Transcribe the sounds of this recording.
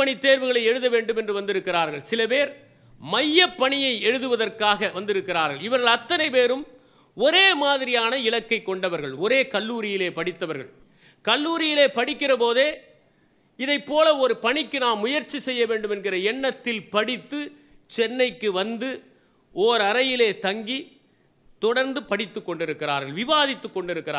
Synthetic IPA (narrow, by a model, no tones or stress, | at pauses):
ɐɳit̪ːeːɾʋɯɣɐɭɐɪɛɻɯðɐʋeːɳɖɯmɛndrɯʋɐnd̪ɪɾɯkːɪraːɾɣɐɭsɪlɐpeːɾ | mɐjːɐpːɐɳɪjɐɪɛɻɯðɯʋɐðɐrkaːɣɐʋɐnd̪ɪɾɯkːɪraːɾɣɐɭɪʋɐɾɣɐɭɐt̪ːɐnɐɪpeːɾɯm | ɔɾeːmaːðɪɾɪjaːnɐɪlɐkːɐɪkːɔɳɖɐʋɐɾɣɐɭɔɾeːkɐɭːuːɾɪjɪleːpɐɽɪt̪ːɐʋɐɾɣɐ̰ɭ | kɐɭːuːɾɪjɪleːpɐɽɪkːɪrɐpoːðeː | ɪðɐɪpːoːlɐɔɾɯpɐɳɪkːɯnaːmːʊjɐɾt͡ʃːisɛjːɐʋeːɳɖɯmɛnɡɪrɐɛɳːɐt̪ːɪlpɐɽɪt̪ːɯ | t͡ʃɛnːɐɪkːɯʋɐnd̪ɯ | ɔːɾɐɾɐjɪleːt̪ɐŋɡi | t̪ɔɽɐɾnd̪ɯpɐɽɪt̪ːɯkːɔɳɖɪɾɯkːɪra̰ːɾɣɐɭʋɪʋaːðɪt̪ːɯkːɔɳɖɪɾɯkːɪɾː